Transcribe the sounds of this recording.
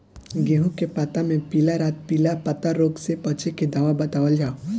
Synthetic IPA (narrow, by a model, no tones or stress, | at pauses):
ɡeːɦũkepat̪amẽpiːlaɾaːt̪̚piːlapɐt̪aɾoːɡsepət͡ʃeked̪aːʋabɐt̪aːʋəld͡ʒʱaː